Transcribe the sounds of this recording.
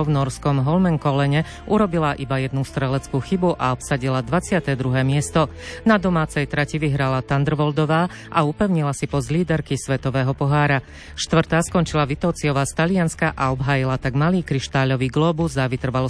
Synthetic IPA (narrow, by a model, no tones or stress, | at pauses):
vnɔɾskɔmɦɔlmɛŋkɔlɛɲɛ | uɾɔbilaʔibajɛd̪nust̪ɾɛlɛt͡skuːxibuʔaɔpsaɟilad̪ʋat͡sɪat̪ɛːd̪ɾuɦɛːmɪɛst̪ɔnad̪ɔmaːt͡sɛjt̪ɾaciʋiɦɾalat̪and̪r̩ʋɔld̪ɔʋaː | ʔaupɛʊɲilasipɔzliːd̪ɛɾkisʋɛt̪ɔʋɛːɦɔpɔɦaːɾa | ʃt̪ʋr̩t̪aːskɔnt͡ʃilaʋit̪ɔːt͡siɔʋaːst̪alianskaʔaɔbɦaːjilat̪aɡmaliːkɾiʃt̪aːʎɔʋiːɡlɔːbuzaʋit̪r̩ʋalɔ